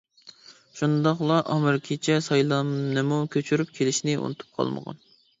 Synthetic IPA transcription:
ʃund̪ɑχlˠɑʔɑmɨɾkʲʰet͡ʃʰɛsɑjlˠɑmnɨmukʲʰøt͡ʃʰyɾyp̚kʲʰelɪʃnɪʔṵnɨt̪ʰu̥p̚qʰɑ̰lˠmə̰ʁɑ̰n

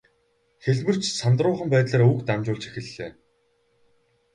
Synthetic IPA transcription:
xeɮʲmɘ̆r̥t͡ɕsant̪rʊːχə̆mpæːt̪ɮaːɾukt̪amt͡ɕʊːɮt͡ɕe̥xɘ̆ɮːeː

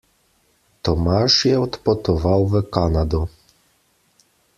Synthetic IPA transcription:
t̪ɔmaʂjɛɔt̪pɔt̪ɔvawvɛkanad̪ɔ

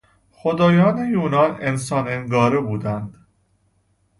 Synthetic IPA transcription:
xod̪ɒːjɒːnejuːnɒːnensɒːneŋɡɒːɾebuːd̪ænd̪̥

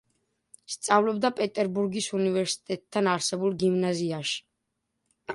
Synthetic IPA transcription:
st̪sʼavlɔbd̪apʼɛt̪ʼɛɾbuɾɡisunivɛɾsi̥t̪ʼɛt̪̚ʼʰːanaɾsɛbulˠɡimnaziaʃi̥

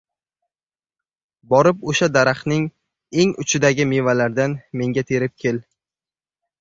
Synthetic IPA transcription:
bɒɾɪpoʃad̪aɾaχnɪŋ | e̞ŋʊ̰t͡ʃʰɪd̪aɡʲɪmevalaɾd̪anme̞ŋɡʲat̪ʰe̞ɾɪp̚kʲʰe̞l

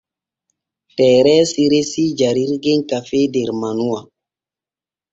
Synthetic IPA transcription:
tɛːɾɛsiɾesid͡ʒaɾiɾɡeɲkafedeɾmanuwa

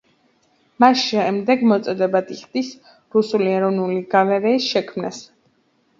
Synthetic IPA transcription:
masʃɛmd̪ɛɡmɔt̪sʼɔd̪ɛbad̪iχd̪is | ɾusuliɛɾɔvnuliɡ̥avɛɾɛisʃɛkʰmnas

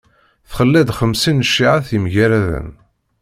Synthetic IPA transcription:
θχəlːæd̪χəmsinəʃːiʕaθimʝæɾæðə̰n

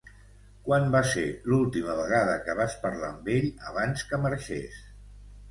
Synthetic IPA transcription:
kwanbaselulˠt̪iməβ̞əɣ̞aðəkəβaspəɾla̰mbeʎəβ̞anskəməɾʃḛs

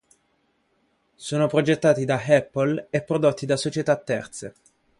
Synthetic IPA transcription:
soːnopɾod͡ʒet̪ːaːt̪id̪aɛpːolepːɾod̪ot̪ːid̪asot͡ʃet̪at̪ːɛ̰rt̪se

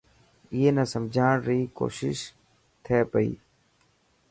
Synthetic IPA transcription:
ijeːnɐsəmd͡ʒʱaːɳɾiːko̰ːʃɪ̰ʃ | t̪ʰeːpəḭː

